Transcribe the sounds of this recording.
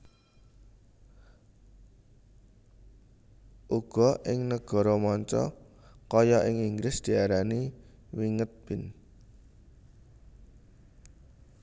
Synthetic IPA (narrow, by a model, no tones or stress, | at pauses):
ʔuɡ̥ɔ̤ʔɪŋnəɡ̥ɔ̤ɾɔmɔɲt͡ʃɔ̰ | kɔjɔʔɪŋiŋɡɾɪsd̪̥i̤aɾani | wiŋət̪̚b̥ɪn